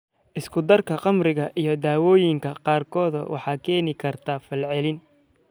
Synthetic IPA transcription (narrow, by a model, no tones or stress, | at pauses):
ʔɪskʰʊd̪ɐrkʰɐqɑmrɪɣɐʔijɞd̪aːwɔːjɪŋkʰɐqɑːrkʰɔːðɐ̰wʔɑ̰ħɑːkʰɛːnɪkʰɐrt̪ʰaːfɐlʕɛlɪn